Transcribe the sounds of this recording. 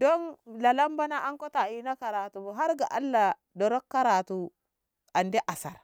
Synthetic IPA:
do˦nla˨la˦mba˦na˦ʔa˦ŋko˦ta˨i˨na˦ka˨ɾa˨tu˨ɦa˦ɾɡa˨ʔa̰˦lːa˨ | do˨ɾo˦kːa˦ɾa˨tu˨ | a˨nde˦ʔa˨sa̰˨ɾ

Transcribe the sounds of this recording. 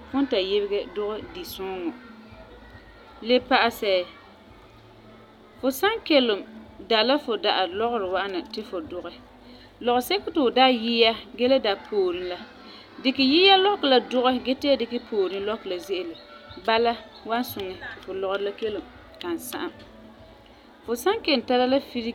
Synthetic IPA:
fʊ˦n˦ta˨jɪ˦bɪ˦ɡɛ˦dʊ˦ɣɛ˦di˨sʊ˦ŋɔ˨ | le˦pa˨ʔa˨sɛ˨ | fʊ˨sa˦ŋkɛ˦lʊ˨mda˨la˦fʊ˨da˨ʔa˨lɔ˦ɣʊ˦ɾɪ˨wa˦ʔa˦na˨tɪ˦fʊ˨dʊ˨ɣɛ˨ | lɔ˨ɣʊ˨sɛ˦kʊ˦tɪ˨ʊ˨da˦ji˦ja˦ɡɛ˦la˦da˨pʰoː˨ɾi˦la˦ | dɪ˨kɪ˨ji˦ja˦lɔ˦kla˨dʊ˦ɣɛ˦ɡɛ˦tɪ˦a˦dɪ˨kɪ˦pʰoː˨ɾi˦lɔ˦kla˨zɪ˦ʔɪ˨lʊ˨ | ba˦la˦ | wa˦nsʊ˨ŋɛ˨fʊ˨lɔ˨ɣɾla˦ke˦lʊ˨m | ka˨n˨sa̰˦ʔa˨m | fʊ˨sa˦ŋkɛ˨n˨ta˦la˦la˦fi˦ɾi˦

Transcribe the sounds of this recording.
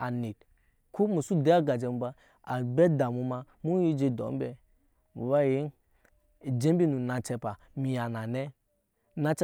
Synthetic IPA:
a̰˨ni˨t̚ | ku˦mu˨su˦de˨˦a˦ɡa˨d͡ʒe˨m˨˦ba˦ | a̰˨bɛ˦da˨mu˨˦ma˨ | mu˦ji˦d͡ʒe˦do̰˨˦m˦bɛ˨ | mu˨ba˦ji˦n˨ | d͡ʒe˦m˦bi˦nu˨na˨t͡ʃɛ˨pa˨ | mi˨ja˨na˨ne˦ | na˦t͡ʃɛ˦

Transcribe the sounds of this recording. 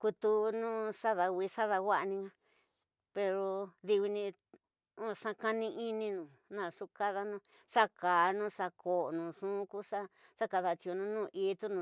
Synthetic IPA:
ku˧t̪u˧nũː˦ʂa˦ða˧wi˧˦sa˦ða˧wa˦ʔnĩ˧ŋã˧ | pe˧ɾo˧ði˧wi˧nĩ˧ | ũ˦˨ʂã˦˧ka˦nĩ˧ʔi˦nĩ˧nũ˨ | nã˨ʂu˦ka˦ða˧nũ˧˦ | ʂa˦kaː˨nũ˦ʂa˧kʰo˨nũ˨ʂũː˦ku˦ʂa˦ | sa˦ka˧ða˧t͡ʃi˧o˧nũ˧˦nũ˦˨ʔi˦t̪u˦nũ˨˧

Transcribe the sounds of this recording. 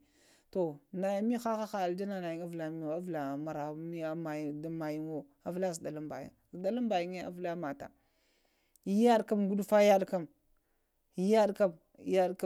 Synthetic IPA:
to˨na˨ja˨mi˦xa˦xa˦xa˦˨ld͡ʒa˦na˦˨na˨ji˨˦a˦vla˨mi˦˨a˦vla˨ma˨ɾa˨˦mi˦a˦ma˨jda˦ma˨ji˦n˦wo˦ | a˦vla˦zi˨da˨lu˦mba̰˨jḭ˨ŋzi˨da˦la˦mba˨ji˦ŋe˦a̰˦vla˦ma˨ta̰˨ | i˦ja˦ɗka˦mɡu˦dfa˦ja˦ɗka˦m | i˦ja˦ɗka˦m˦ | ja˦ɗka˦

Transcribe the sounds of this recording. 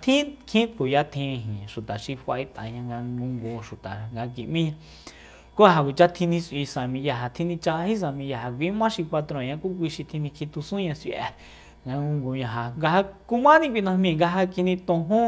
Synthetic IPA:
t̪ʰĩ˦kʰĩ˦t̪ku˨ja˧t̪ʰĩ˧ɦĩ˨ʃu˨t̪a˨ʃi˧fʷa˧i˧t̪ã̰˨ɲã˧ŋɡa˧ŋɡũ˧ŋɡo˧ʃu˨t̪a˨ŋɡa˧k̬i˨ʔmĩ˦ɲã˧ | ku˦ɦa˧kʷi˨˧t͡ʃa˦t̪ʰĩ˧nĩ˧si˧sã˨mĩ˧ja˧ɦa˧t̪ʰĩ˧nĩ˧t͡ʃa˧hi˦s̬ã˧˨mĩ˧ja˧ha˧kʷi˨˦mã˦ʃi˧kʷa˧t̪ɾõ˧˨ɲã˧ku˦k̬ʷi˧ʃi˧t̪ʰĩ˧nĩ˧kʰi˧t̪u˧sũ˦ɲã˧si˧ʔɛ̰˧ | ŋɡa˧ŋɡũ˧ŋɡo˧ɲã˧ɦa˧ŋɡa˧ha˧ku˧˦mã˦nĩ˧kʷi˧nã˧hmĩ˧˨ŋɡa˧ɦa˧ki˧nĩ˧t̪õ˧ɦũ˦

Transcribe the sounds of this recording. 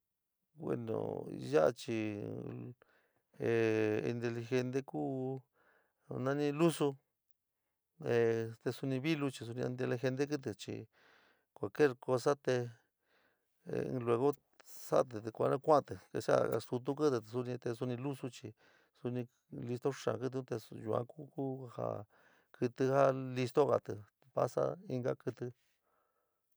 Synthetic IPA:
wwḛ˧nõ̰˨˧ja˦˧t͡ʃi˧˨ | e˨ḭ˧nt̪̬e˧li˧xe˧nt̪e˦ku˦ | nã˦nĩ˧lu˦su˧ | e˧t̪e˧su˧nĩ˧βi˦lu˧t͡ʃi˧s̬u˧nĩ˧i˧nt̪̬e˧li˧xe˧nt̪̬e˦k̬ɨ˦t̪̬e˨t͡ʃḭ˨ | kʷa˨lke˦ɾko˧sa˦t̪e˧ | lwe˧ɣo˦ | sa˦ʔt̪̬ɨ˨t̪e˧kʷa̰˧nã˦˧kʷa˦˧t̪ɨ˨ke˧ʂa̰˦˨˧su˧t̪̬u˦kɨ˦t̪ɨ˧su˧nĩ˧t̪e˧s̬u˧nĩ˧lu˦su˧t͡ʃi˧˨ | su˧nĩ˧ | li˧st̪o˦ʂã̰˨kɨ˧˦t̪̬u˧t̪e˧ju˧ã̰˧ku˦ku˦ha̰˨ | kɨ˧t̪ɨ˧ha˦li˧st̪o˦ɣa̰˨t̪ɨ˨ | pa̰˦sa̰˦i˧ŋɡa˦kɨ˧t̪ɨ˧

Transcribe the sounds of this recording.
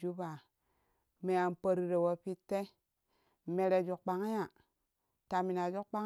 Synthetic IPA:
d͡ʒu˦ba˨ | me˨ja˨mpə˦ɾi˦ɾe˨wo˦pi˦tːe˦˨ | me˨ɾe˨d͡ʒu˨kk͡pa˨ŋa˦ja˨ | ta˨mi˨na˨d͡ʒu˦kk͡pa˦ŋ

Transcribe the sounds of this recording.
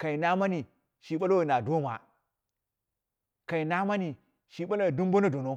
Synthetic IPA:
ka˨i˨na˦ma˦ni˨ | ʃi˨ɓa˦lo˦˨na˨do˦ma˨ | ka˨i˨na˦ma˦ni˨ | ʃi˨ɓa˦lo˦˨du˦mbo˦no˦do˨no˦

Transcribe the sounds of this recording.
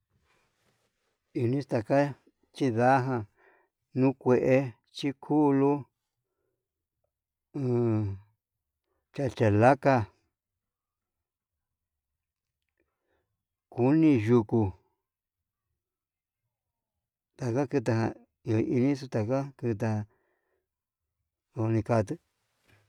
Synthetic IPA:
i˧˨˧nĩ˦st̪a˧ka˦ | t͡ʃi˦ða˦ɦã˧ | nũ˦kʷe˧ʔe˧ | t͡ʃi˦kʰu˦˧lu˦˨˧ | t͡ʃa˧t͡ʃa˨la˦ka˧ | ku˦nĩ˧ʒu˧ku˧ | t̪a˨ka˦kɨ˧t̪̬a˧ɦã˧ | i˧o˨i˧nĩ˦s̬u˧t̪a˧ka˦kɨ˧t̪̬a˧ã˧ | o˧nĩ˧ka˧t̪̬ɨ˦

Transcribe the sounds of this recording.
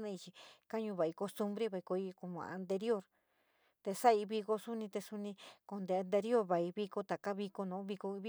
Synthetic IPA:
nã˧i˧t͡ʃi˧ka˦ɲũ˧βa˨i˧ko˧st̪u˧mbɾe˦βa˨i˧ko˧i˧ku˧˨mã̰˨ʔnt̪e˧ɾi˦o˦ɾ | t̪e˧sa˦i˧βi˧ko˧su˦nĩ˧t̪e˧su˧nĩ˧ko˨nd̪e˨˧˨a˧nt̪e˧ɾi˦o˦ɾβa˨i˧βi˧ko˧t̪a˨ka˦βi˧ko˧nõ˨˦βi˧ko˧βi˦

